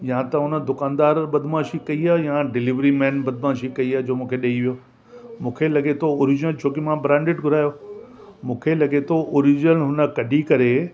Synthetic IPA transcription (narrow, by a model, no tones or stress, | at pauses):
jãt̪ɐɦʊnə̆d̪ʊkaːnd̪aːɾɓɐd̪ʱmãːʃikɐiaːjãɖɪliʋɾimɛ̃ːnbɐd̪ʱmãːʃikɐiaːd͡ʑoːmũːkʰeɗɐiʋijoː | mũːkʰelɐɡet̪ʰooːɾɪd͡ʑnəlt͡ɕʰoːkimãbɾãːɳɖɪʈɡʱʊɾaːjoː | mũːkʰelɐɡet̪ʰoʔoːɾid͡ʑəlɦʊnə̆kɐɖʱikɐɾe